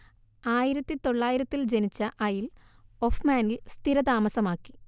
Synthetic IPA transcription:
aːjiɾɐt̪ːit̪o̞ɭːaːjiɾɐt̪ːild͡ʑenit͡ɕːɐʔɐjil | ofmaːnilst̪iɾɐd̪aːmɐsɐmaːkːi̥

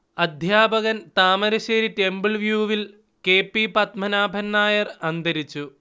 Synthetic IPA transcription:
ɐd̪ʱjaːbɐɣɐnt̪aːmɐɾɐɕeːɾitːe̞mbiɭʋjuːʋil | ke̞ːpːipɐt̪mɐnaːbʱɐnːaːjɐrɐnd̪ɐɾit͡ɕːu

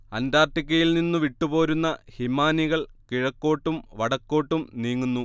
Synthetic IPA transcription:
ɐnd̪aːrt̪ik̬ʲːɐjilninːuʋiʈːupo̞ːɾunːɐhimaːniɣɐɭkiɻɐkːo̞ːʈːumʋɐɽɐkːo̞ːʈːumniːŋːunːu

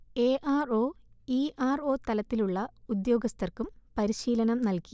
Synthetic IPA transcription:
eːʔaːro̞ːiːʔaːro̞ːt̪ɐlɐt̪ːiluɭːɐud̪jo̞ːɡɐst̪ʰɐrkumpɐɾiɕiːlɐnɐmnɐlki

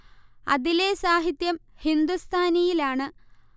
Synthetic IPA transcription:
ɐ̰ðile̞saːɦit̪jɐmhind̪ust̪ʰaːnijilaːɳɨ

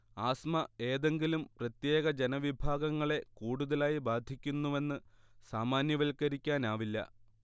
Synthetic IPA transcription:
aːsmɐe̞ːðe̞ŋɡilumprɐt̪je̞ːɣɐd͡ʑe̞nɐʋibʱaːɡɐŋːɐɭe̞kuːɽuðɐlaːjibaːd̪ʱikʲːunːuʋe̞nːɨ | saːmaːnjɐʋɐlkɐɾikʲːaːnaːʋilːɐ̰

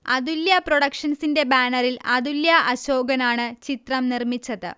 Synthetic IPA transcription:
ɐd̪uljɐpro̞ɽɐkʂɐnsinde̞baːnɐrilɐðuljɐʔɐɕo̞ːɡɐnaːɳɨt͡ɕit̪rɐmnirmit͡ɕːɐðɨ̰

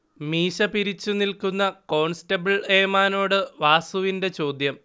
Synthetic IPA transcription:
miːɕɐpiɾit͡ɕːunilkunːɐko̞ːɳstɐbɐɭeːmaːno̞ːɽɨʋaːsuʋinde̞t͡ɕo̞ːd̪jɐm

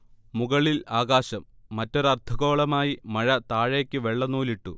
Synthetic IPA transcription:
muɣɐɭilaːɣaːɕɐmːɐtːo̞ɾɐrt̪ʰɐɣo̞ːɭɐmaːjimɐɻɐt̪aːɻeːkʲːɨʋe̞ɭːɐnuːliʈːu

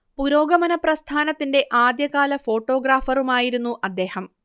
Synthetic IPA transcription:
puɾo̞ːɡɐmɐnɐprɐst̪ʰaːnɐt̪ːinde̞ʔaːd̪jɐɣaːlɐfo̞ːʈːo̞ːɡraːfɐrumaːjiɾunːuʔɐd̪ːe̞ːhɐm

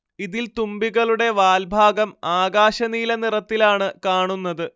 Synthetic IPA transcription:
iðilt̪umbiɣɐɭuɽe̞ʋaːlbʱaːɡɐmaːɡaːɕɐniːlɐnirɐt̪ːilaːɳɨkaːɳunːɐðɨ

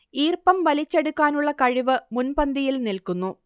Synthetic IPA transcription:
iːrpɐmʋɐlit͡ɕːeɽukːaːnuɭːɐkɐɻiʋɨmunpɐnd̪ijilnilkunːu

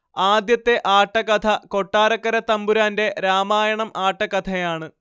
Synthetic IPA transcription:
aːd̪jɐt̪ːe̞ʔaːʈːɐkɐt̪ʰɐko̞ʈːaːɾɐkːɐɾɐt̪ɐmbuɾaːnde̞ɾaːmaːjɐɳɐmaːʈːɐkɐt̪ʰɐjaːɳɨ

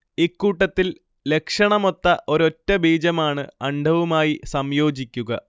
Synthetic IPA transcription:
ikːuːʈːɐt̪ːil | le̞kʂɐɳɐmo̞t̪ːɐʔo̞ɾo̞tːɐbʱiːd͡ʑɐmaːɳɨɐɳɖʱɐʋumaːjisɐmjo̞ːd͡ʑikʲːuɣɐ

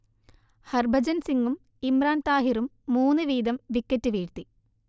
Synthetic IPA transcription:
hɐrbʱɐd͡ʑɐnsiŋɡum | imraːnt̪aːɦiɾumːuːnːɨʋiːd̪ɐmʋikːɐtːɨʋiːɽt̪i

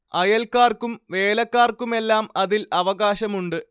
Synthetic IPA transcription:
ɐjɐlkːaːrkumʋe̞ːlɐkːaːrkume̞lːaːmɐðilɐʋɐɣaːɕɐmuɳɖɨ

